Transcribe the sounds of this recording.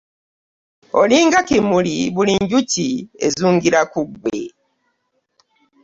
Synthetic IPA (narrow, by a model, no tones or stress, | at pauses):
o̞̰liːŋɡakimuliβuliɲɟuciezuːŋɡiɾakuɡwe